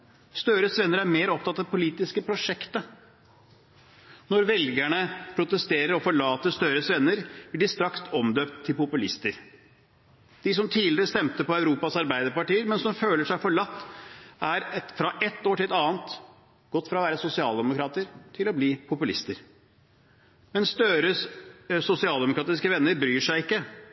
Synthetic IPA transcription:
st̪œɾəsʋɛnːəɾæɾmeːɾɔp̚t̪ʰɑt̪ːɑʋpʰʊliːt̪ɪskəpʰɾʊʂɛkt̪ə | nɔɾʋɛlɡæɳəpʰɾʊt̪əst̪eːɾəɾɔfɔɭɑːt̪əst̪œɾəsʋɛnːəɾbɪlɖɪst̪ɾɑksɔmd̪øːpt̪ʰːɪlpʊpʉlɪst̪əɾ | d̪̥ɪs̬ɔmt̪ʰiːlɪɾəst̪ɛmt̪əpɔœʉɾuːpɑsɑɾbæɪd̪əɾpɑʈiːəɾmɛnsɔmføːləʂæɪfɔɭɑt̪ːæɾfɾɑʔɛt̪ːoːʈʰɪlɑːnt̪ | ɡ̥ɔt̪ːfɾɑːʋæːɾəsʊsɪɑːld̪ɛmʊkɾɑːt̪əɾt̪ʰɪlɔbliːpʰʊpʉlɪst̪əɾ | mɛnst̪œɾəssʊsɪɑːld̪ɛmʊkɾɑːt̪ɪskəʋɛnːəɾbɾyːʂæɪɪkːə

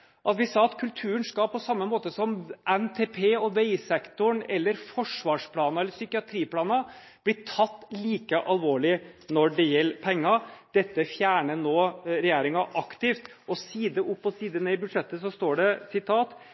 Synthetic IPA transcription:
ʔɑt̪ʋɪsɑːɑt̪kʰʉlt̪ʰʉːənskɑpʰɔsɑmːəmoːt̪əsɔmʔɛnt̪ʰeːpʰeːɔʋeɪsɛkt̪ʊɳɛlːəɾfɔʂʋɑːʂpʰlɑːnɑɛlːəɾsʏkɪɑt̪ʰɾiːplɑːnɑ | b̥lɪʈ̪ʰɑt̪ːliːkəʔɑlʋoːɭɪnɔɖɛjɛlːpʰɛŋːɑd̪̥ɛt̪ːəfjæːɳənoːɾɛjeːɾɪŋɑʔɑkt̪ɪft̪ɔsiːd̪əʔʊpːɔsiːd̪əneːɪbʉd̪ʂɛt̪ːəsɔst̪oːɖɛsɪt̪ʰɑːt̪

